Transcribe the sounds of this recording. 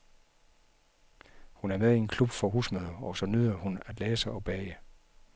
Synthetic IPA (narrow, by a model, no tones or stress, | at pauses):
hunæɐmeðˠie̝nkʰlub̥fɒ̽ɦusmøðˠɐɒsɒ̽nyðˠɐhunæd̥leːsɑɒb̥ɛːɪə